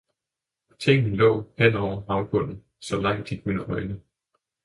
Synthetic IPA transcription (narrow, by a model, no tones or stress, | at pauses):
t͡sʰeŋ̰nilɔ̰̽ːhen̰ɒʊ̰ɐɑ̈ʊfʰɔ̽n̰n̩ | sɒ̽lɑ̈ŋ̰d̥iɡ̥unɒɪnə